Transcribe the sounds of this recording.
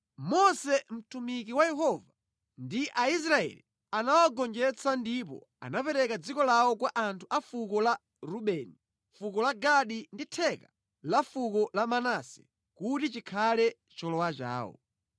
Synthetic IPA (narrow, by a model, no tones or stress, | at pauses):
mɔsɛm̩tumikiwajɛɦɔva | ndiʔais̬ɾaɛ̰li | anawaɡɔnd͡ʒɛt͡sandip̬ɔ̰ | a̰napɛɾɛkad͡zikɔlawɔkwaʔantʰuʔafukɔla | ɾuɓɛːni | fukɔlaɡaɗinditʰɛka | lafukɔlamanasɛ̥̰ | kutit͡ʃikʰalɛ | t͡ʃɔlɔwat͡ʃa̰ːwɔ̰